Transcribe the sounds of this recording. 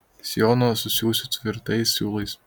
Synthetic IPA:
sʲjoːnoːsʊsʲuːsʲʊt̪ʲʋʲɪɾt̪ɐɪsːʲuːlˠɐɪs

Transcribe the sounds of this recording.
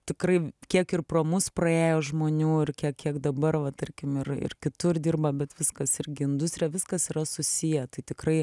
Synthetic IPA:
t̪ʲɪkrɐɪkʲiɛkɪrproːmʊsprɐeːjoːʒmoːnʲuːɪrkʲiɛkkʲiɛkd̪ɐbɐrʋɐt̪ɐɾʲkʲɪmɪrɪ̰rkʲɪt̪ʊrd̪ʲiːrbɐbʲɛt̪ʋʲɪskɐsɪɾʲɡʲɪɪnd̪ʊsʲt̪ʲɾʲɛʋʲɪskɐsiːɾɐsʊsʲijɛt̪ɐɪt̪ʲɪkrɐɪ

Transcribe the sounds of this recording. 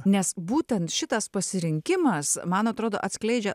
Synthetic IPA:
nʲɛsbuːt̪ʲɛnt̪ʃʲɪt̪ɐspɐsʲɪɾʲɪŋʲkʲɪmɐsmɐnɐt̪ɾoːd̪o̰ːʔɐt̪sklʲɛɪd͡ʒʲɛ

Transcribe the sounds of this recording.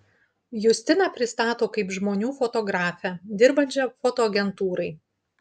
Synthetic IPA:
jʊsʲt̪ʲɪnɑpʲɾʲɪst̪ɑːt̪oːkɐɪpʒmoːnʲuːfoːt̪ɔːɡɾɑːfʲɛd̪ʲɪɾbɐnʲt͡ʃʲɛfoːt̪oːɐɡʲɛnt̪uːɾɐɪ

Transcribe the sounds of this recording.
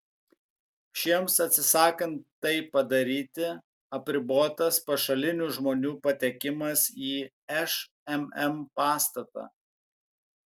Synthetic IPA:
ʃʲiɛmsɐt̪ʲsʲɪsɑːkɐnt̪ːɐɪpːɐd̪ɐɾʲiːt̪ʲɪ | ɐpʲɾʲɪboːt̪ɐspɐʃɐlʲɪnʲuːʒmoːnʲuːpɐt̪ʲɛkʲɪmɐsiː | ɛʃ | ɛmɛmpɑːst̪ɐt̪ɑ̰ː

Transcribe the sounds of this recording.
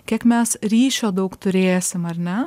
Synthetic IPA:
kʲiɛkmʲɛsɾʲiːʃʲoːd̪ɐʊkt̪ʊɾʲeːjsʲɪmɐɾʲnʲɛ

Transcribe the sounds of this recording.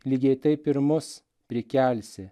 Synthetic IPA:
lʲiːɡʲɛɪt̪ɐɪpʲɪɾmʊs | pʲɾʲɪkʲɛlʲsʲɪ

